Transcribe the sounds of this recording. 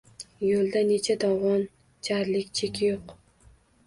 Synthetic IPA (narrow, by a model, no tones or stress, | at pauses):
jolˠd̪ane̞t͡ʃʰad̪ɒwʁɒn | t͡ʃʰaɾlɪkʲt͡ʃʰekʲʰjoq